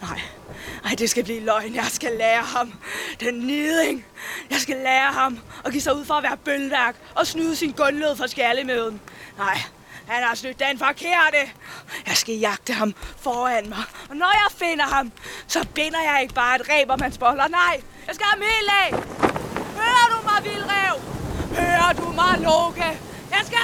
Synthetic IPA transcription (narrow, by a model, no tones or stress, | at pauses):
nɑ̈ɪ̰ | ɑ̈ɪd̥e̝sɡ̥æb̥liːlɒ̽ɪnjɑ̈ɪsɡ̥ælɛːɐhɑ̈md̥enːyðˠeŋjɑ̈ɪsɡ̥ælɛːɐhɑ̈mɒ̽ɡ̥ḭːsɑ̈uð̰ˠfɒ̽æʋæːɐb̥ølʋæɡ̥ | ɒ̽snuːðˠəsinɡ̥ɔ̽nløð̰ˠfɒ̽sɡ̥æɐləmøðˠn̩nɑ̈ɪ̰ | hænhɑ̈snyd̥ːenfɑkʰeɐ̰d̥əjɑ̈ɪsɡ̥æjɑ̈ɡ̥̚d̥əɦɑ̈mfɒːænmɑ̈ɪɒ̽nɒjɑ̈ɪfenɐhɑ̈msɒ̽b̥enɐjɑ̈ɪe̝ɡ̥əb̥ɑ̈ːe̝d̥ʁɛ̰ːb̥ɒ̽mhænsb̥ɒ̽lɐnɑ̈ɪ̰ | jɑ̈ɪsɡ̥æhæmilɛ | høːɐd̥umɑ̈ɪʋilʁɛʊ̰høːɐd̥umɑ̈ɪloɡ̥æ | jɑɪsɡ̥æ